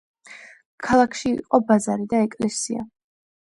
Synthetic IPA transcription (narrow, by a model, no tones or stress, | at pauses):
kʰalˠakʰʃiḭqʼɔbazaɾid̪aɛkʼlɛsia̰